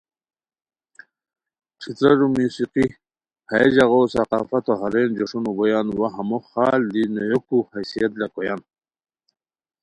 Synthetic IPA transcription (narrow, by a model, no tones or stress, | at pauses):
ʈ͡ʂʰit̪ɾaɾumusiqi | haed͡ʑaɣosaqɑːfat̪oɦaɾend͡ʒoʂunubojanwaɦamoxaːld̪inojokuhasijat̪lakojan